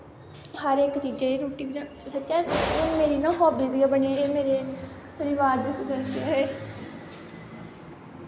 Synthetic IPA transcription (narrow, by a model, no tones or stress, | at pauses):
həɾekt͡ʃiːd͡ʒeːɾoːʈiː | sətːt͡ʃaːʊnmeːɾiːnãːɦɔːbiːsiɡaːbəɳiaeːmeːɾeː | pəɾɪʋaːɾd̪isəd̪əsjaːɦeː